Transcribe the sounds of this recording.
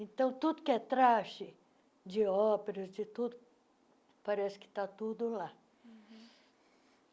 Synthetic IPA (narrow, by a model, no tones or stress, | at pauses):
ẽt̪ɐ̃w̃t̪ud̪ʊkɪɛt̪ɾaʃɪ | d͡ʒɪɔpeɾɐzd͡ʒɪt̪ud̪ʊ | paɾɛsɪ̥kɪ̥t̪at̪ud̪ʊla